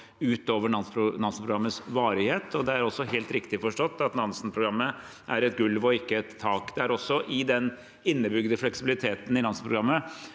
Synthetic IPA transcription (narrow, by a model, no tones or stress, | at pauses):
ʉːt̪oːʋəɳɑnspɾʊnɑnsn̩pʰɾʊɡɾɑmːəsʋɑːɾɪheːt̪ʰɔd̪ɛæɾɔsːɔɦeːlt̪ɾɪkt̪ɪfɔʂʈɔt̪ːɑt̪nɑnsnpʰɾʊɡɾɑmːə | ʔæɾɛt̪ɡʉlʋɔɪkːəɛt̪ʰːɑːkd̪ɛæɾɔsːɔʔɪd̪ɛn | ɪnːəbʏɡd̪əflɛksɪbɪlɪt̪ʰeːt̪n̩ɪnɑnspɾʊɡɾɑmːə